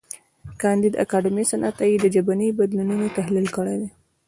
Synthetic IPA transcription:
kɑnd̪id̪a̰kɑɖɪmisanʔat̪ajid̪əd͡ʒabanibad̪lununat̪aɦlilkəɽed̪e

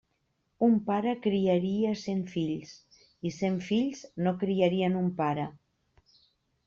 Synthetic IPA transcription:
umpaɾəkɾiaɾiəseɱfiʎs | iseɱfiʎznokɾiaɾiənumpaɾə

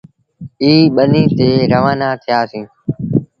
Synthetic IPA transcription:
iːɓəniːt̪eːɾəʋaːnaːt̪ʰɪjaːsĩː

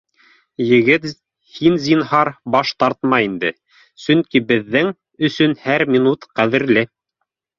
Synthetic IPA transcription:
jɘ̆ɡɘt̪ | hinzinhɑɾbɑʃt̪ɑɾt̪mɑind̪ɘ | sɵŋkibɘ̆ðːɘŋ | ɵ̆sɵnhæɾmʲinut̪qæðɘ̆ɾlɘ

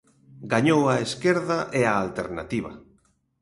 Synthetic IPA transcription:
ɡaɲowaeskeɾðaʔeaːlt̪eɾna̰t̪iβɐ̰

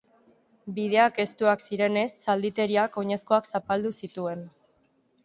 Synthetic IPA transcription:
bið̞e̞ake̞st̪uaksiɾe̞ne̞sːald̪it̪e̞ɾiako̞ɲe̞sko̞aksapald̪usit̪ue̞n

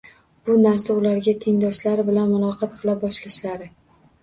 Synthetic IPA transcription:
b̥ʊnaɾsaʊlaɾɡʲat̪ʰeŋd̪ɒʃlaɾɪbɪlanmʊlˠɒqʰɑt̪qʰɨlˠap̚bɒʃlɪʃlaɾɪ

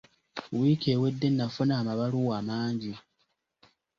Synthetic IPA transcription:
wiːkeːwe̞dːe̞nːafunaːmaβaluwaːmaːɲɟi

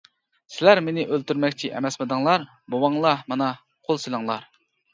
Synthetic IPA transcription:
sɪlæɾmenɪʔølt̪yɾmɛkʲt͡ʃʰiʔɛmɛsmɨd̪ɨŋlˠɑɾ | bowɑŋlˠɑmɑnɑ | qʰolˠselˠɨŋlˠɑɾ

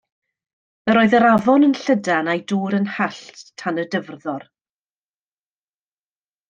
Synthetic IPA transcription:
əɾoːɨðəɾavɔnənɬədanajduːɾənhaɬttʰanədəvrðɔr

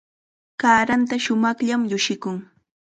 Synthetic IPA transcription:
kaːɾant̪aʃʊmɑχʎamʎʊʃɪkʊŋ

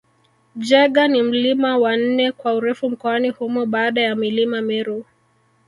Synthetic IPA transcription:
d͡ʒɛɠanim̩limawan̩nɛkwauɾɛfum̩kɔanihumɔɓaːɗajamilimamɛɾu

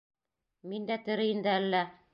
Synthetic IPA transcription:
mind̪æt̪ɘ̆ɾɘ̆jɘ̆nd̪æælːæ

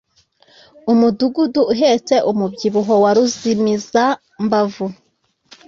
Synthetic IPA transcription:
umuduɡuduːɦet͡se̞ʔumubɟiβuɦowaɾuzimiza | mbavu

